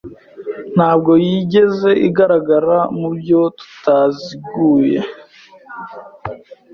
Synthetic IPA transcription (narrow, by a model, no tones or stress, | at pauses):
n̥haːb̚ɡo̞jiɟe̞ze̞ʔiɡaɾaɡaɾamubjo̞tu̥taziɡuːje̞̰